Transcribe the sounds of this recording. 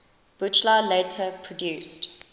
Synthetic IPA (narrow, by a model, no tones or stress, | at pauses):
b̥ut͡ʃlaleɪtʰəpʰɹɔdjʉːˑst